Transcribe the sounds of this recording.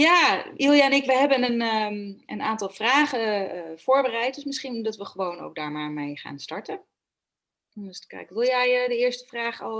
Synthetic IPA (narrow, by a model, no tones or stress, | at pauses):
jaːilˠjaɛnɪkʋəɦɛbənən | ənaːntɑlˠfraːχəfoːɹbərɛjt̚dəsmɪsχindɑtʋəχəʋowno̰wk̚daːɹmaːɹmejχa̰ːnstɑɹtə | ɔnstə̥kɛ̰jkəʋɪlˠjɛjdəɪːɹstə̥fraːχɔlˠ